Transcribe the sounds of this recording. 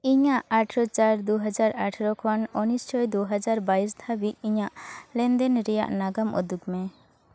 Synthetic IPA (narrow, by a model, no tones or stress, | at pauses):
iɲaʔaʈʰɾɔt͡ʃaɾd̪uɦad͡ʒaɾaʈʰɾɔkʰɔnɔnist͡ʃʰɔjd̪uɦad͡ʒaɾbaist̪ʰabiiɲaʔlɛnd̪ɛnɾɛja̰ʔnaɡamɔ̰d̪ukmɛ